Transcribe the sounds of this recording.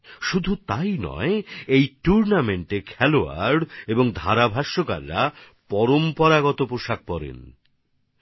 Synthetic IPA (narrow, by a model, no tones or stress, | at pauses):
ʃud̪ʱut̪ajnɔ̰eejʈuɾnameɳʈekʰɛloa̰ɾɖeboŋd̪ʱaɾabʱaʃːoka̰lɾa | pɔɾompɔɾaɡɔt̪opɾoʃak̚pɔɾḛn